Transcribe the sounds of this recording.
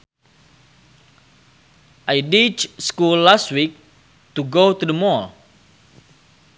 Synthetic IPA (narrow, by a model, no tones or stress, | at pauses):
ʔajdit͡ʃskulːast̚wik̚ | t̪uɡot̪udəmɔɹ